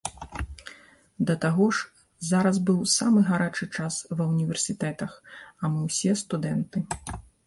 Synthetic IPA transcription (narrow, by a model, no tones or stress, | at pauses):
d̪ɐt̪aɣɔʂ | zaɾɐzbɨwsamɨɣaɾat͡ʂɨt͡ʂasvɐwnʲivʲɛrsʲit̪ɛt̪ɐxɐmɨwsʲɛst̪ud̪ɛnt̪ɨ